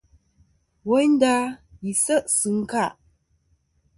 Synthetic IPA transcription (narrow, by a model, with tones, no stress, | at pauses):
wɔ˦n˦da˦ji˨sə˦ʔsɨ˨˦ŋ̩˦ka˦˨ʔ